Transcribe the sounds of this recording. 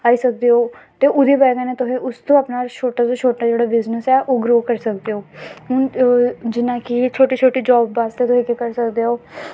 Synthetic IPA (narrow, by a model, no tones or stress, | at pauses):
aːiːsək̚d̪eːɦoːt̪eːʔʊd̪iːbɛːɡãneːt̪ʊsẽːʊst̪õːəpnaːt͡ʃʰoːʈãːt̪õːt͡ʃʰoːʈaːd͡ʒeːɽaːbɪznəsɛːʔoːɡɾoːkəɾsək̚d̪eːoːɦʊnd͡ʒɪnãːkɪt͡ʃʰoːʈiːt͡ʃʰoːʈiːd͡ʒɔːbːaːst̪eːt̪ʊsẽːkikəɾsəkd̪eːɦoː